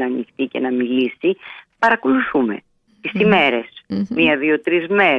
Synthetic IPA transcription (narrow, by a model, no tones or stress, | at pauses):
ɐːnixt̪ice̞nɐmilisipɐɾɐkuluθume̞̰ | t̪isime̞ɾesmiɐðio̞t̪ɾizme̞